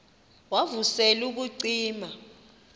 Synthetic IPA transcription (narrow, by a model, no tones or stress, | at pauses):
wavusɛluk̬uǀiːma